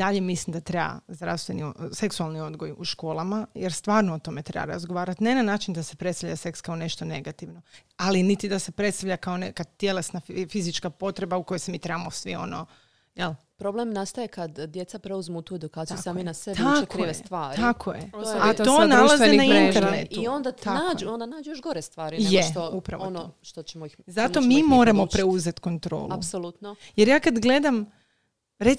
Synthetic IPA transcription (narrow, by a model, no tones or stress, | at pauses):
d̪aʎemislimd̪at̪ɾeba̰zd̪ɾa̰ʋst̪ʋeniose̞ksualˠnio̞d̪ɡojuʃko̞ːlˠamajeɾst̪ʋaːɾnoot̪o̞me̞t̪ɾḛba̰ɾa̰zɡoʋaːɾat̪nenanaːt͡ʃind̪ase̞pɾet̪st̪avʎase̞kskao̞ne̞ʃt̪o̞ne̞ɡat̪iʋno̞alinit̪id̪ase̞pɾe̞t̪st̪aʋʎʲakaonekad̪̚t̪jelesnaffizit͡ʃkapo̞t̪ɾe̞bauko̞jojsemit̪ɾebamosʋio̞̰no | jelpɾo̞blˠemnast̪ajekad̪d̪jet̪sapɾeuzmut̪ued̪ukaːt̪iusaːminaseakɾoest̪ʋaːɾit̪akʰojeat̪t̪onalˠazenaint̪eɾnet̪iuond̪at̪anaːd͡ʒuond̪anaːd͡ʒujoʃɡoɾest̪ʋaːɾinjoeʃt̪upɾa̰ʋonʃt̪ot͡ɕemoixzat̪omimo̞ːɾamopɾe̞uzet̪ko̞nt̪ɾo̞̰ːlṵsolˠut̪nojeɾjaːkad̪ɡle̞d̪am | ɾe